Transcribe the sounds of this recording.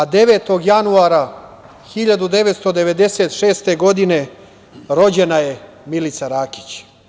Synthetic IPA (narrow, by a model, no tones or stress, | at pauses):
ad̪e̞ʋeːt̪o̞ɡjanuaɾa | xiʎad̪ud̪e̞ʋet̪st̪o̞d̪e̞ʋe̞d̪e̞se̞t̪ʃeːst̪e̞ɡo̞d̪ine̞ | ɾo̞d͡ʑe̞naje̞ | milit̪saɾaːki̥t͡ɕ